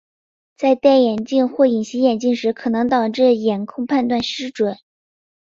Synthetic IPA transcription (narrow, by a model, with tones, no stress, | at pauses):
t͡sa˥˧ɪt̪a˥˩njɛ˨˩nt͡ɕi˥˧nxwɔ˥˩i˨˩nɕi˧˥jɛ˨˩nt͡ɕi˥˩ŋʂɻ̩˧˥kʰɤ˨˩nɤ˧˥ŋt̪ɑ˨˩ʊʈ͡ʂɻ̩˥˩jɛ˨˩nkʰʊ˥˧ŋpʰa˥˧nt̪wa˥˩nʂɻ̩˥ʈ͡ʂwə˨˩˦n